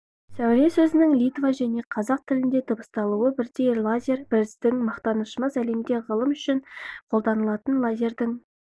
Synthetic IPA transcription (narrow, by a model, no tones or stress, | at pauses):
sæwɾe̞sɵzɪnɪŋlʲijt̪vaʒæne̞qʰɑzɑq̚t̪ʰɪlɪnd̪e̞t̪ʰəbəst̪ɑlˠuəbɪɾd̪e̞jlˠazʲe̞ɾbɪɾɪsd̪ɪŋmɑqt̪ɑnəʃəmɑzæle̞mɡ̪ʲe̞ʁəlˠəmʏʃɪɴqʰo̞lˠd̪ɑnəlˠɑt̪ənlˠadʲe̞ɾd̪ɪŋ